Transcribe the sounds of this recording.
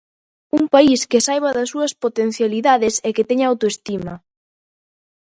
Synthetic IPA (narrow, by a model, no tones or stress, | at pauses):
uŋpaiskesajβɐðɐsːuɐspot̪en̟θjaliðaðɪseket̪ɛɲawt̪oest̪imɐ